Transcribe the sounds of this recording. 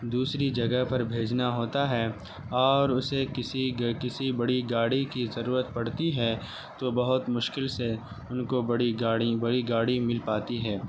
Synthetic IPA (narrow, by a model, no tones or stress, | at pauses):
d̪uːsɾid͡ʒɐɡəɦpɐɾbʱeːd͡ʒnaɦoːt̪aɦɛː | ɔːɾʊsekɪsikɪsibɐɽiɡaːɽikizɐɾuːɾət̪̚pɐɽ̤t̪iɦɛː | t̪obɐɦʊt̪mʊʃkɪlse | ʊnkobɐɽiaːɽibɐɽiɡaːɽimɪlpaːt̪iɦɛː